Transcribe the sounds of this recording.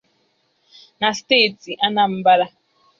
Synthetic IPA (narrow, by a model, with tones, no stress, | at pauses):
na˨ste˦˨ti˨ʔa˦na˦m̩˦ba˦ɾa˦